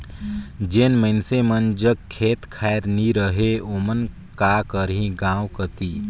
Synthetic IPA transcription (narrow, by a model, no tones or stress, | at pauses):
d͡ʒeːnməɪnsemənd͡ʒəɡ̚kʰeːt̪kʰaːjɾniɾəɦeoːmən | kakəɾɦĩɡãːwkət̪iː